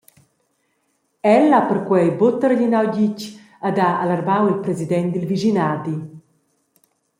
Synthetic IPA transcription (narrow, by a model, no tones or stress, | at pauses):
ɛlapərkwɛjbot̪əɾʎinawɟic | ad̪aalarbawilpɾɛzid̪ɛnt̪d̪ilviʒinaːd̪i